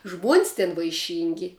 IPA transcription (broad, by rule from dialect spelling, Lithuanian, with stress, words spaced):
ʒmuɔnʲsʲ tʲɪn ʋɐɪˈʃʲiːŋʲɡʲɪ